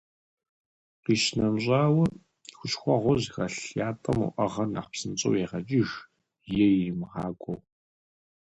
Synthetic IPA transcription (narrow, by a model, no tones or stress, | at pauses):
qiːʃnɐmʑʼaːwɐ | xʷʊɕxʷɔʁʷʊʑɣɐɬjaːtʰʼɐmṵʔɐʁɐnɐ̰χpsɨnt͡ɕʼɨwjeʁɐt͡ʃʼiʒ | jɛjɪmʁɑːkʷʼow